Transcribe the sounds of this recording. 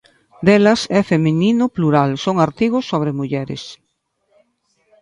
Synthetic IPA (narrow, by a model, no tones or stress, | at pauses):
d̪elɐsɛfemenĩnʊpluɾalsoŋaɾt̪iɣ̞osːoβ̞ɾemuʎɛɾḛs